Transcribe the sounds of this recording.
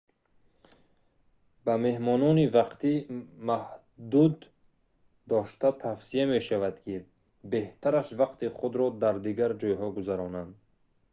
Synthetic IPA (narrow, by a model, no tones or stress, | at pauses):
bame̞hmɔnɔnivaqt̪imah | d̪ud̪ː | ɔʃt̪at̪ʰafsiame̞ʃavad̪kʰi | be̞ht̪ʰaɾaʃvaqt̪iχud̪ɾɔd̪aɾd̪iɡaɾd͡ʒɔjɦɔɡuzaɾɔnand̪